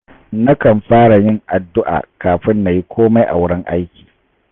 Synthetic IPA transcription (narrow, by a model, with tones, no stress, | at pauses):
na˦kɐ˨mɸaː˦ɽa˨jɪ˦˨ŋʔa˨dːʊ˦ʔa̰ː˨kaː˨ɸɪ˦nːa˨ji˦kʷoː˦ma˦jʔa̰˨wʊ˦ɽɪ˦ŋʔa̰˦jkʲiː˨